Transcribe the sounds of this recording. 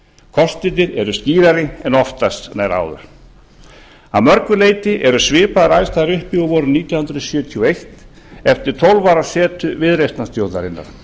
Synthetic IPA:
kʰɔst̪ɪt̪ɪɾɛɾʏsciːɾaɾɪɛnɔft̪ast̪naːjɾa̰ːwðʏ̰ɾ̥ | amœɾkʏleːjt̪ɪʔɛɾʏsvɪːpaðaɾajst̪aðɾʏhpjiɣɔvɔːɾʏniːt̪jawhʏnd̪ɾʏsjʏːt̪ʰiɔejht̪ | ɛft̪ɪɾ̥t̪ʰowlvaɾasɛːt̪ʏvɪðɾejst̪nast̪jowt̪aɾɪnːa̰ɾ̥

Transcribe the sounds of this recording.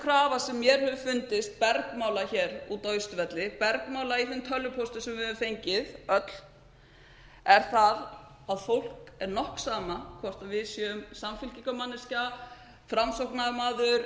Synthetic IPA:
kʰɾaːvasɛmːjɛɾ̥hœvʏfʏnt̪ɪst̪̚pɛɾkmaːwlaçɛːɾut̪oːɥjst̪vɛt̪lɪpɛɾkmaːwlaiθenmt̪ʰœlːʏpʰost̪ʏsɛmvɪhœvʏmfejɲcɪðœt̪l̥ | ɛɾ̥θað | aðfowl̥kɛɾnɔhksaːmakʰvɔr̥t̪aðvɪðsjɛʏmsamfʏlcikamanːɪsca | fɾamsowhknaðmaːðʏɾ

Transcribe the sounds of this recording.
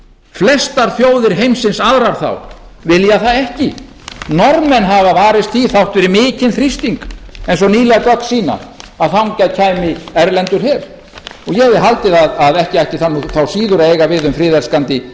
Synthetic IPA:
flɛst̪aɾ̥θjoːwðɪɾ̥ɦejmsɪnsaðɾaɾ̥θa̰wvɪljaθaðɛhcɪ | nɔɾmmɛnɦavavaːɾɪst̪θiθawht̪vɛɾɪmɪːcɪnθɾist̪iŋkejnsɔniːlɛɣakœksiːna̰aðθhawŋcaðcʰaːjmɪɛɾlɛnt̪ʏɾ̥hɛɾ̥ | ɔɣjɛɛvɪɦalt̪ɪðaðaðɛhcɪajhcɪθanːuθawsiːðʏɾaeːjɣavɪðʏmfɾɪːðɛlskant̪ɪ

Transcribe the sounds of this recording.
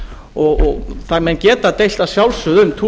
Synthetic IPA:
ɔɣɔɣθamɛncɛːt̪at̪ejl̥t̪asjawlsʏðʏmt̪ʰuː

